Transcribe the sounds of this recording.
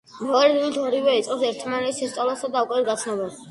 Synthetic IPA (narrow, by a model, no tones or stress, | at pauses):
mɛɔɾɛd̪ilit̪ʰɔɾivɛit̪sʼqʼɔsɛɾt̪ʰmanɛt̪ʰʃɛst̪sʼɔlˠɔsad̪aukʼwɛɾɡat̪sʰnɔbɛ